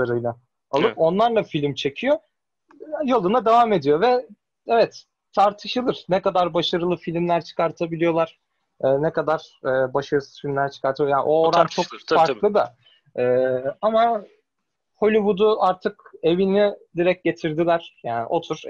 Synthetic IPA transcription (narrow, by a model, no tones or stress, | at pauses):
aɾɯjna | alˠɯpo̞nlˠaɾlˠafilʲmt͡ʃʰe̞cʰijo | jolˠunad̪evaːme̞d̪ijo̞vɛ | evɛt̪ | t̪ʰaɾt̪ʰɯʃɯlˠɯɾ̥nɛkad̪aɾbaʃaɾɯlˠɯfilʲmlʲæɾt͡ʃʰɯ̥kaɾt̪ʰabilʲijo̞lˠaɾ̥ | ɯːnɛkad̪aɾ̥ɛːbaʃaɾɯsɯ̥z̥filʲmlʲæɾt͡ʃʰɯ̥kaɾt̪ʰɯaja̰ːʔoːɾant͡ʃʰokfaɾklˠɯd̪a | ɛːama | ho̞lʲiβud̪uaɾt̪ʰɯke̞vinid̪iɾɛc̚ɟe̞t̪ʰiɾd̪ilʲæɾ̥jaːn̰ʔo̞t̪ʰuɾ̥